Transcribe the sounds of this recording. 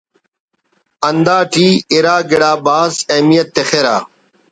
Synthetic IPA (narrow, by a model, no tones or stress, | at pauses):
ɐnd̪aːʈiːiɾaːɡeɽaːbaːzɐmijɐt̪ːexeɾa̰ː